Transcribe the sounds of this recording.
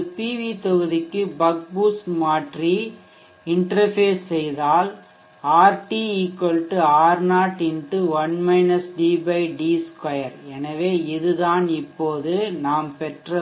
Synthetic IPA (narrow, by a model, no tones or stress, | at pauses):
piːʋit̪ɔɣɯðɪkːɯbɐɡ̚buːsmaːʈri | ɪɳʈrɐfeːsːɛjðaːl | aːɾʈiiːkːɔlʈːɯaːɾnaːʈɪnɖɯʋɐnmɐɪnɐsɖiːbɐɪɖiːskɔjɐɾɛnɐʋeːɪðɯðaːnɪpːoːðɯnaːmpɛʈrɐ